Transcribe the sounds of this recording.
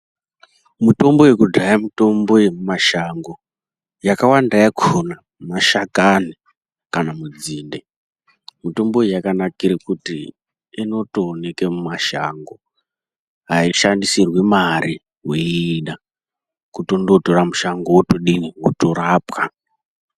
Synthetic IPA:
muto̞mbo̞we̞kudʱajamito̞mbo̞jemumaʃaŋɡo̞ | jakawandajakona | maʃakani | kanamud͡ziːnde | muto̞mboijakanakiɾekutḭː | no̞toːne̞kemumaʃa̰ŋɡo | ɦaiʃandisirwimaɾi | weːɗa | kutondo̞toɾamuʃaŋɡowotoɗiniwotoɾaːpka

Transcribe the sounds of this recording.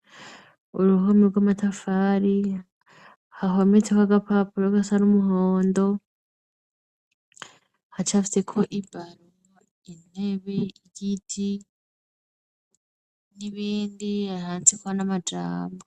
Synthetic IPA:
uɾuɦomiɡwamatʰafaːɾi | haɦomet͡sekwaɡapapuɾoɡasaɾumuɦoːndo̞ | hat͡ʃafi̥sekʰo̞ʔibaɾomo | ineβeiɟitʰi | niβiːndiahaːnt͡sikuanamad͡ʒa̰ːmbo

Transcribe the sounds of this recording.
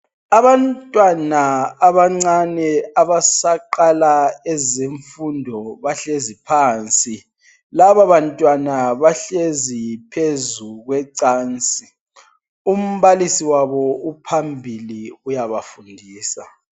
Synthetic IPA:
aβantʼwanaːβaŋ͡ǀanɛaβasaǃalaɛzeɱfundʱɔβaɬezipʰaːnt͡sʼi | laβaβantʼwanaβaɬezipʰezuɣwɛǀaːnt͡sʼi | um̩βalisiwaβɔupʰambʱiliujaβafundʱiːsa

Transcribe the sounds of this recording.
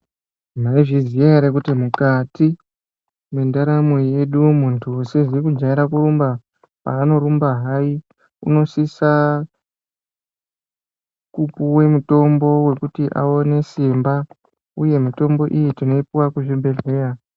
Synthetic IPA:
maiʐizijaɾek̬utimukati | mendaɾamoje̞ɗumuntʰusiʐiikud͡ʒaiɾakurumba | pa̰ːno̞ɾumbaɦai | ṵno̞sisa | kupuwe̞muto̞mbo̞we̞kutiʔa̰o̞ne̞simba | uje̞mito̞mbo̞ʔijitino̞ipuwakuʐibʱe̞ɮe̞ːra

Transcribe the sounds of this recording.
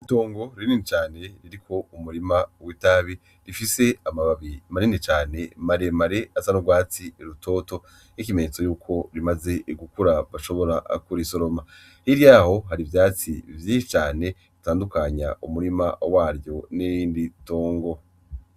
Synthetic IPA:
ito̞ːŋɡo̞ɾininit͡ʃaːne̞ɾiɾikʰo̞umuɾimawitaβi | ɾifise̞amaβaβimaɾinit͡ʃaːne̞maɾe̞maɾe̞azanuɡwaːt͡siɾuto̞ːto̞ | nik̬imeɲet͡so̞juːkʰo̞ɾimaze̞ɡukuɾaβaʃo̞βo̞ɾaʔkuɾiso̞ɾo̞ma | hiɾjaːho̞ɦaɾivjaːt͡sivjĩːnʃit͡ʃaːne̞ | itaːndukaɲa̰ʔumuɾimawaːɾjo̞nejiːndito̞ːŋɡo̞

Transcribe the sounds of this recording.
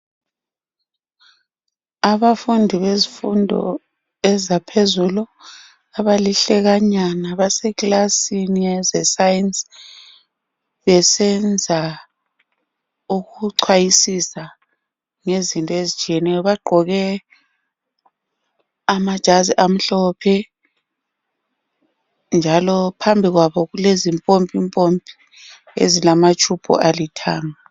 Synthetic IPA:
aβafundʱiβezifundʱɔ̰ | ɛzapʰezulu | aβaliɬɛɣaɲanaβasɛklasiniɛzɛsajins | βɛsɛnd͡zʱa | uɣuǀʰwajisisa | ŋezintʼɔezit͡ʃʰʼiɛnɛjɔβaɡ͡ǃʱɔɣɛ | amad̥ʒ̥ʱaziʔam̩ɬɔpʰɛ | nd͡ʒʱalɔpʰambʱiɣwaβɔɣulezimpʼompʼimpʼompʼi̥ | ḛzilamat͡ʃʰʼub̥ʰʱɔ̰ʔalitʰaːŋa

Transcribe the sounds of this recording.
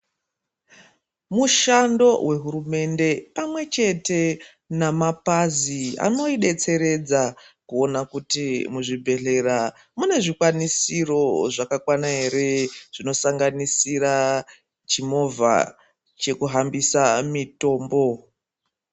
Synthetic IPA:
muʃando̞we̞ɦuɾume̞nde̞pamwe̞t͡ʃe̞te̞ | namapazia̰no̞iɗe̞t͡se̞ɾe̞d͡zakuo̞nakutimuʐibʱe̞ɮe̞ɾa | mune̞ʐikwanisiro̞ʐakakwanaɦe̞ɾe̞ʐ̥ino̞saŋɡanisiɾa | t͡ʃimo̞va̰ | t͡ʃe̞kuɦambisamito̞ːmbo̞

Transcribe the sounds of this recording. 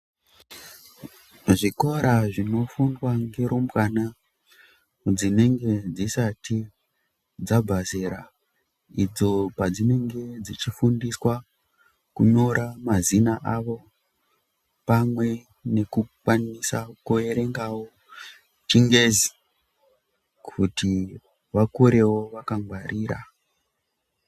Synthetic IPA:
ʐiko̞ɾaʐino̞funwaŋɡe̞ɾumbwana | d͡zine̞ŋɡe̞d͡zisati | d͡zabʱazeɾa̰ | id͡zo̞pad͡zine̞ŋɡe̞d͡zit͡ʃifundiswa | kuɲoɾamazinaʔaʋo̞ | pamwe̞ | ne̞kukwanisakue̞ɾe̞ŋɡawo̞ | t͡ʃiŋɡe̞zi̥ | kʰutʰi | ʋakuɾe̞wo̞ʋakaŋɡwarʔiːɾa̰

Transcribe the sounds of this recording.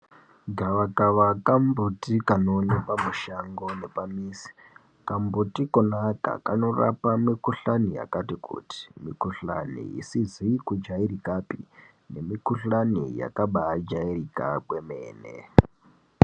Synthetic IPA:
ɡʱaʋakaʋakambutikanonepamuʃaŋɡone̞pamiːsi̥ | kambutikonaka̰ka̰no̞ra̰pamikuɬanija̰katikṵti̥mikuɬa̰nḭḭsizikud͡ʒaiɾikapḭ | ne̞mikuɬanḭja̰kaɓad͡ʒairika̰kwemeːnḛ

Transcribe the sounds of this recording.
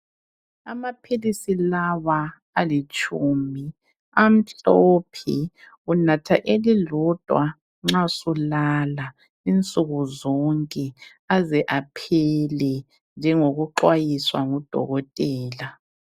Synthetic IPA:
a̰mapʰilisilawaː | lit͡ʃʼumi | am̩ɬɔpʰi | unatʰaʔelilɔd̥ʱwa | ŋ͡ǁasulala | int͡sʼuɣuzɔŋkʼɛ | azɛʔapʰɛlɛ | nd͡ʒʱɛŋoɣuǃwajiswaŋud̥ʱɔ̰ɣɔtʼɛːla

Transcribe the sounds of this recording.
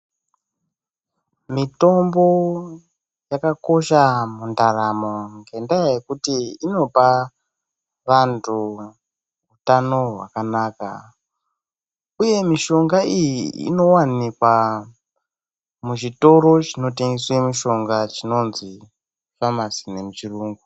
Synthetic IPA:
mito̞mbo̞ | jakako̞ʃamundaɾamo̞ŋɡe̞ndajajekutiino̞pa | ʋantʰu | utano̞ɦwa̰kanaːka̰ | uje̞miʃo̞ŋɡaijiḭno̞wanikwa | muʒito̞ɾo̞t͡ʃino̞teŋɡeswemuʃo̞ŋɡat͡ʃino̞nzi | famasine̞mut͡ʃiruːŋɡu

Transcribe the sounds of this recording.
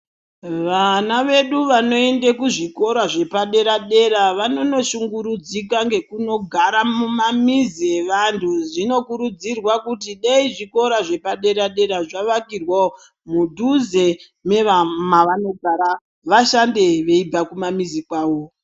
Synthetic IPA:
ʋanaʋe̞ɗuʋano̞e̞ndekuʐiko̞ɾaʐe̞paɗe̞ɾaɗe̞ɾaʋano̞no̞ʃuŋɡuɾud͡zikaŋɡe̞kuno̞ɡʱaɾamumamizeʋantʰuʐino̞kuɾud͡zirwakutiɗeiʐiko̞ɾaʐe̞paɗe̞ɾaɗe̞ɾaʐaʋakirwa | mudʱuze̞ | me̞ʋamaʋano̞ɡʱaɾa | ʋaʃande̞ʋe̞ibʱakumamizikwaːwo̞

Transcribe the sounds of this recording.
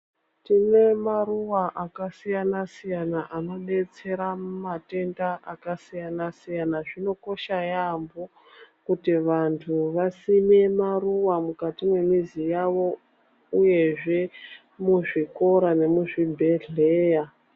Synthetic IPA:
tine̞maruwaʔakasijanasijanaʔano̞ɓe̞t͡se̞ɾamate̞ndaʔakasijanasijanaʐino̞ko̞ʃajambo̞ | kutiʋantʰuʋasine̞maruwamukatimwe̞mizijaʋo̞ | uje̞ʐe̞ | muʐiko̞ɾane̞muʐibʱeɮe̞ːja

